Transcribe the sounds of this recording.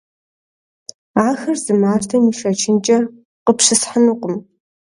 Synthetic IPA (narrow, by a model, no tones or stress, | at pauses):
aːxɐrzɨmaːrtʰɐmiʃɐt͡ʃʰɪnt͡ʃʼɐ | qəpʰʂɨsħanuqʷʼʊm